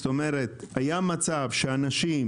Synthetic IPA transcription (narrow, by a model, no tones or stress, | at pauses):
t̪o̞me̞ʁet̪hajamat͡savʃeanaʃim